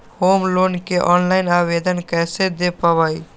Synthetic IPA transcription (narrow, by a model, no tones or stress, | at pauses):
hoːmloːnkeʔɔːnlaɪnaːʋed̪ənkɛːsed̪epəʋəi